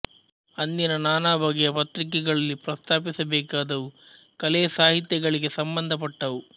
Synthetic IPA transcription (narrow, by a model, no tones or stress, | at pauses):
ɐnd̪inɐnaːnaːbʱɐɡɛjɐpɐt̪ɾik̬ɛɡɐɭɐlːipɾɐst̪ʰaːp̬isɐbɛːkaːd̪ɐʋu | kɐlɛːsaːɦit̪jɛɡɐɭiɡe̞sɐmbɐnd̪ʱɐp̬ɐʈːɐʋu